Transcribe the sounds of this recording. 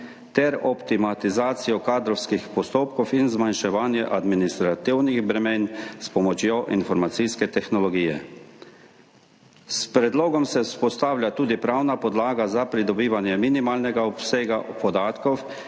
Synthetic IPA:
t̪ɛɾɔpt̪imat̪izaːt̪sijɔkaːd̪ɾɔwskixpɔst̪oːpkɔwinzmanʃɛʋaːnjɛʔad̪minist̪ɾat̪iwniɣbɾɛmeːnspɔmɔt͡ʃjoʔinfɔɾmat̪siskɛt̪ɛxnɔlɔɡiːjɛ̰ | spɾɛd̪loːɡɔmsɛspɔst̪aːwlʲjat̪uːd̪ipɾawnapɔd̪laːɡazapɾid̪ɔbiːʋanjɛminimaːlnɛɡaɔpseːɡapɔd̪aːt̪kɔw

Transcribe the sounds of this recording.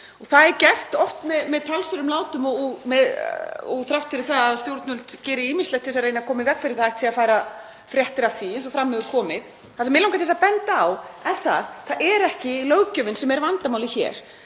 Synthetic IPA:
ɔɣθaðɛɾcɛr̥t̪ɔft̪mɛðmɛðt̪ʰalsʏɾʏmlaːwt̪ʏmɔmɛðɔ̰ɣθɾawht̪fɪɾɪθaðaðst̪jowɾt̪nʏlt̪cɛːɾɪiːmɪnslɛht̪θɛsaɾreːjnakʰɔːmɪvɛkfɪɾɪɾ̥θajxt̪ʰɪafaːjɾa | fɾjɛht̪ɪɾaθiɪnsɔfɾamːhɛvʏkʰɔːmɪð | θasɛmɪlawkat̪ʰɛsapɛnt̪aawɛnθa̰θaʔɛɾɛhcɪlœwcœvɪnsɛmɛɾvant̪amawlɪçɛ̰ːɾ̥

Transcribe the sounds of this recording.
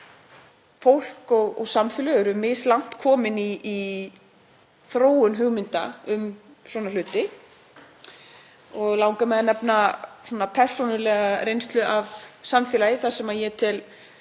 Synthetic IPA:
fowl̥kɔɣɔ̰ɣsamfɪlœɣʏɾʏmːɪslawn̥t̪kʰɔːmɪniː | θɾoːwʏnɦʏɣmɪnt̪a̰ʏm | swɔːnal̥ʏːt̪ɪ | ɔɣlawŋkamɛðnɛpnaswɔːnapʰɛr̥sunʏlɛɣarejnst̪lʏʔavsamfjɛːlajɪθasɛmajɛt̪ʰɪl

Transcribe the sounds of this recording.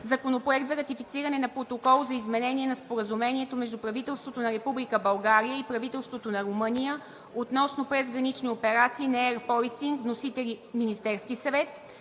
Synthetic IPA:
zɐkonopɾoɛk̚t̪zɐɾɐt̪ifit̪siɾɐnɛnɐpɾot̪okɔlˠzɐizmɛnɛniɛnɐspoɾəzumɛniɛt̪omɛʒd̪upɾɐvit̪ɛlˠst̪vot̪onɐɾɛpublikəbɐlˠɡaɾijəipɾɐvit̪ɛlˠst̪vot̪onɐɾomɤnijə | ot̪nɔsnopɾɛzɡɾɐnit͡ʃniopɛɾat̪siːnɛɛɾpɔjsiŋknosit̪ɛliminist̪ɛɾskisɐvɛt̪

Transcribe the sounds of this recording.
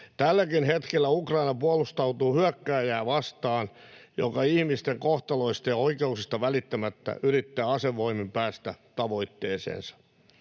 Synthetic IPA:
t̪ælːækinhet̪kelːæukrɑinɑpuɑlust̪ɑut̪uːhyœkːæːjæːʋɑst̪ɑːnjo̰kɑihmist̪eŋkoht̪ɑloist̪ɑjɑoikeuksist̪ɑʋælit̪ːæmæt̪ːæ̰yrit̪ːæːɑseʋːoimimpæːst̪æt̪ɑʋoit̪ːeːsḛːnsɑ̥

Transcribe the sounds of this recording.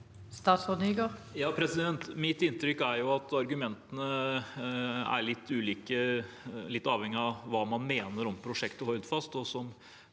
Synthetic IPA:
st̪ɑːt̪sfɔd̪yɡəʁjɑːpʰɾɛsɪd̪ɛnt̪mɪt̪ɪnt̪ɾʏkːæɾjʊɑt̪ɑɾɡʉmɛnt̪ənə | æ̰ɭɪt̪ːʉːliːkə | lɪt̪ːɑːʋhɛŋːɪɑʋɑːmɑnmeːnəɾɔmpʰɾʊʂɛkt̪əhɔld̪fɑst̪ɔsɔm

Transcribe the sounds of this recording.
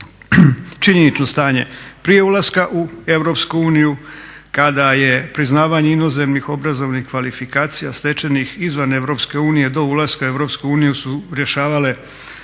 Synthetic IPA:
t͡ʃiɲe̞nit͡ʃno̞st̪aːɲe̞pɾije̞ulˠaskaʔue̞ʋɾo̞pskuuːniju | kad̪aje̞pɾiznaːʋaɲe̞ino̞ze̞mnixo̞bɾazo̞ʋnixkʋalifikaːt̪sija̰st̪e̞t͡ʃe̞nixizʋane̞ʋɾo̞ːpske̞uːnije̞d̪o̞ulaskaue̞ʋɾo̞pskuuːnijusuɾje̞ʃaːʋale̞

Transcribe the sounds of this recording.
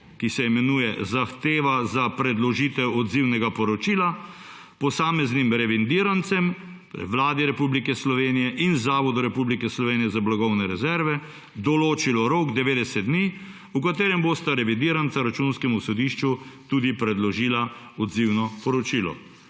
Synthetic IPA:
kisɛmɛnuːjɛzaxt̪eːʋazapɾɛd̪lɔʒiːt̪ɛwɔd̪ziwnɛɡapɔɾɔt͡ʃiːla | pɔsaːmɛznimɾɛʋind̪iːɾant̪sɛm | ʋlaːd̪iɾɛpublikɛslɔʋeːnijɛʔinzaːʋɔd̪uɾɛpublikɛslɔʋeːnijɛzablaɡɔwnɛɾɛzɛɾʋɛ | d̪ɔloːt͡ʃilɔɾoːɡd̪ɛʋeːd̪ɛsɛt̪d̪̚d̪niː | ukat̪eːɾɛmbost̪aɾɛʋid̪iːɾant̪saɾat͡ʃunskɛmusɔd̪iʃt͡ʃut̪ud̪ipɾɛd̪lɔʒiːla | ɔd̪ziwnɔpɔɾɔt͡ʃiːlɔ̰

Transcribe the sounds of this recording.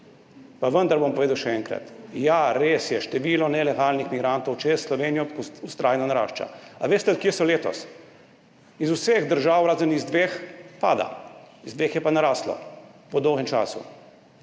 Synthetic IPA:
paʋənd̪aɾbompɔʋeːd̪ɐwʃɛɛŋkɾa̰t̪jaɾeːsjɛʃt̪ɛʋiːlɔnɛlɛɡalnixmiɡɾant̪ɔwt͡ʃɛsslɔʋeːnjɔkust̪ɾʔaːjɛnɔnaɾa̰ːʃt͡ʃa̰aʋeːst̪ɛt̪̚kjesɔleːt̪ɔ̰s | izuseɣd̪əɾʒawɾaːzənizd̪ʋeːxpa̰ːd̪a̰ | izd̪ʋeːxjɛpanaɾaːslɔ̰pɔd̪ɔwɦɛmt͡ʃa̰ːsṵ

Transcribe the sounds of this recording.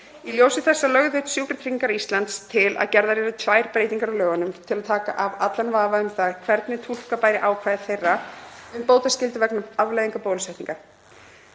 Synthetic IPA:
iljowsɪθɛsːalœɣðʏht̪sjuwkɾɪt̪ʰɾiɲiŋkaɾist̪lant̪st̪ʰɪla̰ðcɛɾðaɾɛɾat̪ʰvaːjɾ̥pɾeːjt̪iŋkaɾawlœːɣanʏmt̪ʰɪlaðt̪ʰaːkaʔavat̪lanvaːvaʏmθakʰvɛɾt̪nɪt̪ʰul̥kapaːjɾɪʔawkʰvajðɪθejrːaʏmpoːwt̪ascɪlt̪ʏvɛknaavlajðiŋkapoːlʏsɛht̪iŋka

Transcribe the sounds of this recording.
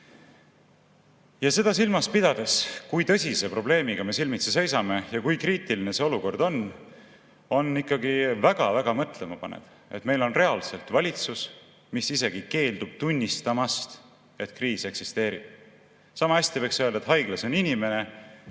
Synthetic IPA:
jɑse̞d̪ɑsilmɑspid̪̥ɑd̪̥e̞skujt̪ɤ̞sʲise̞pro̞ble̞ːmiɡ̥ɑme̞silmit̪sese̞jsɑme̞jɑkujkriːt̪iline̞se̞o̞luko̞rd̪̥o̞n | o̞nːikːˑɑɡivæɡ̥ɑvæɡ̥ɑmɤt̪ˑle̞mɑpɑnḛd̪̥ | et̪me̞jlo̞nre̞ɑlse̞lt̪vɑlʲit̪sus | misise̞ɡ̥ike̞ːld̪̥ub̥̚t̪unʲːist̪ɑmɑst̪ | e̞t̪kriːse̞ksist̪e̞ːɾib̥̚ | sɑmɑæsʲt̪ive̞ksøld̪ɑet̪ɦɑjɡ̥lɑso̞ninʲime̞ne̞

